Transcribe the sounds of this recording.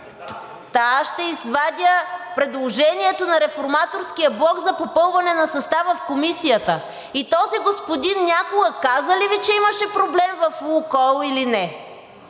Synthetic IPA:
t̪aʃt̪ɛizvad̪ʲəpɾɛd̪lˠoʒɛniɛt̪onɐɾɛfoɾmat̪oɾskijəblˠɔkzɐpopɤlˠvɐnɛnɐsɐst̪avɐfkomisijət̪ə | it̪ɔziɡospod̪inːʲakoɡəkazəlivit͡ʃɛimɐʃɛpɾoblɛmvɐfukɔlˠilinɛ

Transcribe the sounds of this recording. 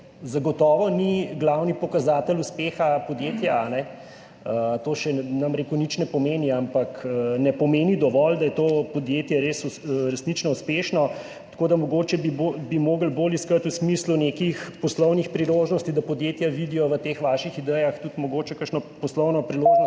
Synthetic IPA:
zaɡɔt̪ɔːʋɔniɡlawnipɔkazaːt̪əluspeːxapɔd̪jet̪jaːnɛ | ət̪oːʃɛnamɾekunit͡ʃnɛpɔmeːniampaknɛpɔmeːnid̪ɔʋɔld̪ɐjɛt̪oːpɔd̪jet̪jɛɾeːsuɾɛsnit͡ʃnɔuspeːʃnɔ | t̪ḁkoːd̪amɔɡoːt͡ʃɛbiobimoːɡəlboːliskət̪usmislunekixpɔslɔwnixpɾiloʒnɔst̪id̪apɔd̪jet̪jaʋid̪ijɔʋət̪exʋaːʃixid̪ɛjaxt̪ut̪mɔɡoːt͡ʃɛkəɾʃnɔpɔslɔwnɔpɾiloʒnɔ

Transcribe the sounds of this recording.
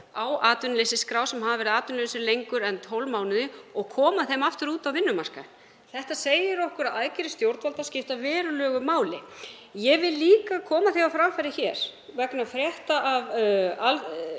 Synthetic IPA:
awaːt̪ʏnlesɪskɾaːwsɛmɦavavɛɾɪðaːt̪ʏnlesɪlejŋkʏɾɛnt̪ʰowlmaːwnʏðɪɔɣkʰɔːmaθejmaft̪ʏɾuːt̪awvɪnːʏmar̥ka̰ | θɛht̪aseːjɪɾowhkʏɾaðaðcɪɾɪst̪jowɾt̪valt̪ascɪft̪avɛːɾʏlœːɣʏmaːwlɪ | jɛɣvɪllːiːkakʰɔːmaθejawfɾamfajɾɪçɛ̰ɾ̥vɛknafɾjɛht̪aʔaval

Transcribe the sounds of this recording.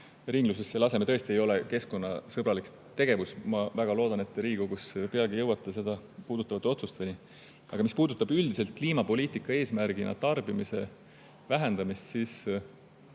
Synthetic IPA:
riŋɡlus̬esːelɑse̞meɤ̞e̞st̪ie̞jo̞leke̞sko̞nːɑsɤbɾɑlik | t̪e̞ɡ̥e̞vusmɑvæɡ̥ɑlo̞ːd̪ɑne̞t̪ːˑɾiːɡ̥uɡuspeɑlɡ̥ijɤwɑt̪ːˑese̞d̪ɑpuːd̪ut̪ːˑɑvɑt̪ːˑeo̞t̪sust̪eni | ɑ̰ɡ̥ɑmispuːd̪ut̪ːˑɑbyld̪ise̞lt̪̚kliːmɑpo̞liːt̪ikːˑɑe̞ːsmærɡ̥inʔɑ̰t̪ɑrbimise̞ | væɦe̞nd̪̥ɑmist̪siːs

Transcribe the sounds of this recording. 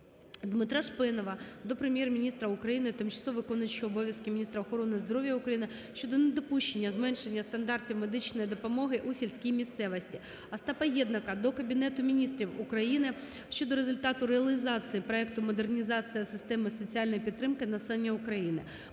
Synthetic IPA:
d̪mɪt̪ɾɑʃpɪnɔʋɐd̪ɔpɾemʲjɛrmʲinʲist̪ɾɐukɾɐjinɪt̪ɪmt͡ʃɐ̥sˠɔʋɪkɔnʊt͡ʃiɔbɔʋʲjɐskɪmʲinʲist̪ɾɐɔxɔɾɔnɪzd̪ɔɾɔʋʲjɐʊukɾɐjinɪʃt͡ʃɔd̪ɔned̪ɔpuʃt͡ʃenʲːɐzmɛnʃenʲːɐst̪ɐnd̪ɑrtʲiwmed̪ɪt͡ʃnɔjid̪ɔpɔmɔɦɪʔusʲilʲsʲkʲijmʲist̪sɛʋɐsʲtʲi | ɐst̪ɑpɐjɛd̪nɐkɐd̪ɔkɐbʲinɛt̪ʊmʲinʲist̪ɾʲiwʊkɾɐjinɪ | ʃt͡ʃɔd̪ɔɾezʊlʲt̪ɑt̪ʊɾeɐlʲˠɪzɑt͡s̪ʲɨjipɾɔɛkt̪ʊmɔd̪ernʲizɑt͡sʲijɐsɪst̪ɛmɪsɔt͡sʲiɑlʲnɔjpʲit̪ːɾɪmkɪnɐsɛlˠenʲːɐʊkɾɐjinɪ̰

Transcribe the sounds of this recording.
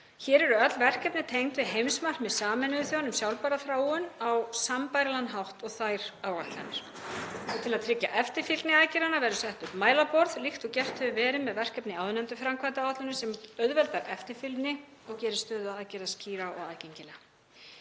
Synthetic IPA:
çɛːɾɛɾʏœt̪lvɛr̥kɛpnɪt̪ʰejŋt̪vɪðɦejmsmar̥kmɛðsaːmɛnʏðʏθjowanʏmsjawlpaɾaθɾaːwʏnawsampajɾlanːɦawht̪ɔɣθajɾaːwɣaht̪la̰nɪɾ̥ | ɔɣt̪ʰɪlaðt̪ʰɾɪcːa̰ʔɛft̪ɪɾfɪlt̪nɪaːðcɪɾanavɛɾðʏsɛht̪ʏpmaːjlapɔɾðlixt̪ɔcɛr̥t̪hœvʏvɛːɾɪmɛðvɛr̥kɛpnɪaːwʏnɛnt̪ʏfɾamkʰvajt̪awat̪ʏnʏsɛmœðvɛlt̪aɾʔɛft̪ɪɾfɪlt̪nɪ | ɔɣcɛːɾɪst̪œːðʏaaðcɛɾasciːɾaɔ̰ɣa̰ðceɲcɪlɛːɣa

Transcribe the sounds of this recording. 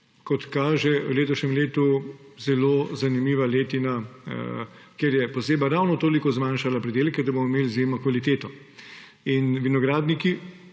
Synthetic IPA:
kɔt̪kaːʒɛwleːt̪ɔʃnʲɛmleːt̪uzɛloːzanimiːʋaleːt̪ina̰ | keɾjɛpɔseːbaɾawnɔt̪oːlikɔzmanʃalapɾɛd̪eːlkɛd̪abomɔimeːlizjeːmnɔkʋalit̪eːt̪ɔ | inʋinɔɡɾaːd̪niki

